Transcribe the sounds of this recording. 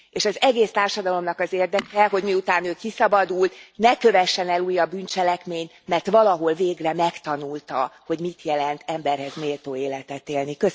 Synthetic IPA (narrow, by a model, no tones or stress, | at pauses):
eːʃɒzɛɡeːst̪aːrʃɒd̪ɒlo̞mnɒkɒzeːrd̪ɛkɛɦo̞ɟmiut̪aːnøːkisɒbɒd̪ult̪nɛkø̞vɛʃːɛnɛluːjɒbbynt͡ʃɛlɛkmeːɲt̪ | mɛrt̪ʋɒlɒɦo̞lveːɡrɛmɛkt̪ɒnult̪ɒho̞ɟmit̪jɛlɛnt̪ɛmbɛrɦɛzneːlt̪oːeːlɛt̪ɛt̪eːlnikø